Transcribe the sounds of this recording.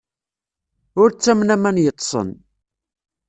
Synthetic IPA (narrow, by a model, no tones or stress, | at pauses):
ʊɾt͡sːæmnæmænjət̪ˤːsˤə̰n